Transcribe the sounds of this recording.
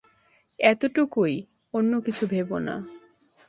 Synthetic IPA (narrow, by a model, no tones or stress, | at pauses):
ɛt̪oʈukoj | onːokit͡ɕʰubʱebona̰